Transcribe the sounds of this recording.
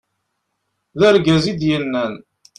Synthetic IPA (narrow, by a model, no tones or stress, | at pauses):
ðæɾɡæzid̪jənːæn